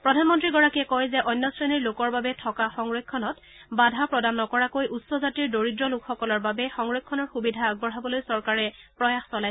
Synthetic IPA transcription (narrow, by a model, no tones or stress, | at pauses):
pɹɔdʱanmɔntɹiɡɔɹakiɛkɔjzɛʔɔjnːɔsɹeniɹlokɔɹbabɛtʰɔkaxɔŋɹokʰːɔnɔt | badʱapɹɔdanːɔkɔɹakojʔutsɔzatiɹdoɹidɹɔlʊkxɔkɔlɔɹbabɛxɔŋɹokʰːɔnɔɹxubidʱaːɡ̚bɔɹɦabɔlojsɔɹkaɹɛpɹɔjaxsɔlaj